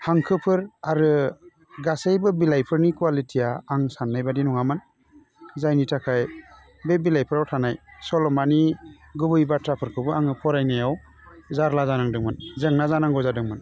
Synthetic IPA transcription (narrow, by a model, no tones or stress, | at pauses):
haŋkʰɯpʰɯɾaɾɯ | ɡasejbɯbilajpʰɯɾnikuwalitʰijaːŋsanːajbadinɔŋamɯn | zajnitʰakʰaj | bebilajpʰɯɾawtʰanajsɔlɔmani | ɡɯbɯjbatɾapʰɯɾkʰɯbɯaŋɯpʰɔɾajnajaw | zaɾlazanaŋdɯŋmɯnzɯŋnazanaŋɡɔzadɯŋmɯn